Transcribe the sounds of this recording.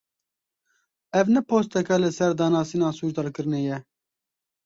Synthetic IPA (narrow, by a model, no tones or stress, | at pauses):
ɛvnɛpʰoːst̪ɛkɛlɨsɛɾd̪ɑːnɑːsiːnɑːsuːɾd̪ɑːɾkɨɾɨnejɛ